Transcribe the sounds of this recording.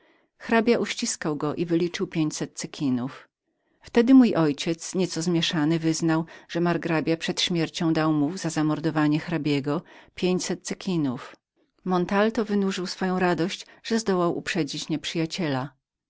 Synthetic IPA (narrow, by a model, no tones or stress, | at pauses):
xɾabʲjaʔuɕt͡ɕiskawɡɔʔivɘlʲit͡ʂɘwpʲjeɲt͡ɕsɛt̪̚t̪sɘkʲʰinuf | ft̪ɛd̪ɘmujʔɔjt͡ɕɛt̪sɲɛt̪sɔzmʲjɛʂanɘvɘznawʐ̥ɛmaɾɡɾabʲjapʂɛt̪ɕmʲjɛɾt͡ɕɔ̃w̃d̪awmuvzazamɔɾd̪ɔvaɲɛxɾabʲjɛɡɔpʲjeɲt͡ɕsɛt̪̚t̪sɘkʲʰinuf | mɔnt̪alt̪ɔvɘnuʐɘwsfɔjɔ̃w̃ɾad̪ɔɕt͡ɕʐ̥ɛzd̪ɔwawʔṵpʂɛd͡ʑit͡ɕɲɛpʂɘjat͡ɕɛla